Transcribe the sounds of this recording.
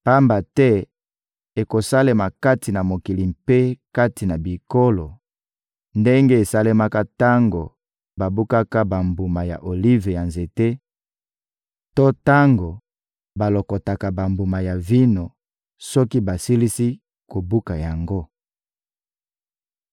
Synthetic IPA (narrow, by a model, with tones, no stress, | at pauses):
pa˦mba˨tɛ˦ | e˨ko˨sa˦le˦ma˨ka˦ti˨na˨mo˨ki˨li˨mpe˦ka˦ti˨na˨bi˨ko˦lo˨ | nde˦ŋɡe˦e˨sa˦le˦ma˦ka˦ta˦ŋɡo˨ | ba˨bu˦ka˦ka˦ba˨mbu˨ma˨ja̰˨ʔo˨li˦ve˨ja˨nze˨te˦ | to˦ta˦ŋɡo˨ | ba˨lo˨kɔ˨ta˨ka˨ba˨mbu˨ma˨ja˨vi˦no˨ | sɔ˦ki˦ba˨si˦li˦si˦ | ko˨bu˦ka˨ja˨ŋɡo˦